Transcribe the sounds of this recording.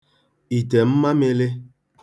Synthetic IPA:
i˨te˨m̩˦ma˦me˦le˦

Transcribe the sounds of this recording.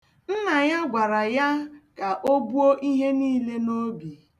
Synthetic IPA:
n̩˦na˨ja˦ɡʷa˨ɾa˨ja˦ka˨ʔo˦bu˦o˦ʔi˦ɦe˦niː˦le˦no˦bi˨

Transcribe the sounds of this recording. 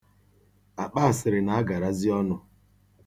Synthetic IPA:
a˨k͡pa˦a˨sɪ˨ɾɪ˨na˨a˦ɡa˨ɾa˦zɪ˦ɔ˦nʊ˦

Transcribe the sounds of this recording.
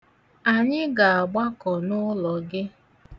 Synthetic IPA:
a˨ɲɪ˦ɡa˨a˨ɡ͡ba˦kɔ˨nʊ˦lɔ˨ɡɪ˦

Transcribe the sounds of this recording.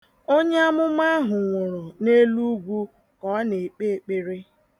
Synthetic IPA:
o˦ɲe˦a˦mʊ˦ma˦a˦ɦʊ˨ŋʷʊ˨ɾʊ˨ne˦lu˦ɡʷu˦ | kɔ˦ne˨k͡pe˦e˨k͡pe˦ɾi˦

